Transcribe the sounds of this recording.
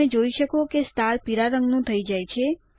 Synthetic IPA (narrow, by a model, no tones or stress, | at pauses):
ed͡ʒoiʃəkokest̪aɾpiɾaɾəŋɡnũt̪ʰəid͡ʒajt͡ʃʰe